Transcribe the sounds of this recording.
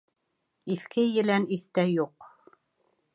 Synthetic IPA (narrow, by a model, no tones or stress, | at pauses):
iθkʰɘjɘ̆læniθt̪æjuq